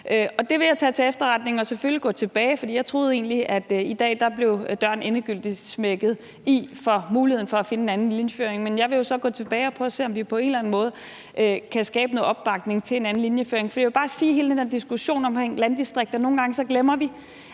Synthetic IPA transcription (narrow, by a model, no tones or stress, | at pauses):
ʔøɒ̽d̥e̝ʋe̝jɑ̈ɪt͡sʰɛ̰t͡sʰe̝efd̥ɐʁɑ̈d̥ne̝ŋ̩ɒ̽seføliɡ̥ɔ̰̽ːt͡sʰe̝b̥ɛːɪfɒd̥ḭːjɑ̈ɪt͡sʰʁo̝ːð̞̩ˠe̝̰ːnliʔæd̥id̥ɛ̰ːd̥ɑ̈b̥le̝ʊd̥ɶɐ̰ne̝nəɡ̥yl̰d̥ismeɡ̥ð̞̩ˠ | ifɒ̽muːliheðˠn̩fɒ̽æfe̝nəenænn̩linjəføːɐeŋmenjɑ̈ɪʋe̝jo̝sɒ̽ɡ̥ɔ̰ːt͡sʰe̝b̥ɛːɪɒ̽pʰʁœːɐse̝̰ːɒ̽mʋipʰɒ̽e̝ːnlæn̩mɔ̽ːð̞̩ˠ | ʔøkʰæsɡ̥ɛ̰ːb̥əno̽ːð̩ˠɒ̽b̥ːɑ̈ɡ̥ne̝ŋt͡sʰe̝le̝næn̩linjəføːɐe̝ŋfɒd̥ḭjʋe̝b̥ɑ̈ːsiːhe̝ːld̥end̥ed̥isɡ̥uɕo̝̰ːnɒ̽mkʰʁeŋ̰lænd̥isd̥ʁeɡ̥̚d̥ɐno̝ːn̩ɡɑ̈ŋəsɒ̽ɡ̥lemɐʋi